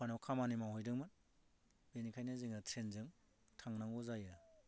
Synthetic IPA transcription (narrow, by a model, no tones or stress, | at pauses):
anɔwkʰamanimawɦɔjdɯŋmɯn | benikʰajnɯziŋɯtʰɾenzɯŋ | tʰaŋnaŋuzajɯ